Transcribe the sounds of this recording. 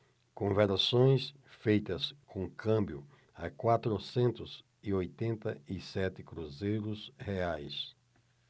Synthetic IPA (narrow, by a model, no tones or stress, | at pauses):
kõvɛɾasõj̃s | fejt̪ɐskʰõkʰɐ̃mbjʊ | ɐ̰kwat̪ɾʊsẽnt̪ʊz̥ | iojt̪ẽnt̪ɐisɛt̪ɪkɾuzejɾʊsheajs